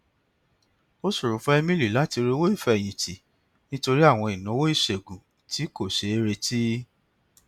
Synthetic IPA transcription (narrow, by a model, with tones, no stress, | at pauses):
o˦su˦˨ɾu˨fɔ̃˦ɛ˧mĩ˦li˨la˨˦ti˧ɾe˧˦wo˦i˦˨fɛ˧˨j̃ĩ˨ti˨ | nĩ˦to˧ɾi˦a˦˨w̃ɔ̃˧i˨nũ˨˦wo˦i˦˨ʃe˨ɡũ˨ | ti˨˦ko˦˨ʃe˧˦e˧ɾe˧ti˦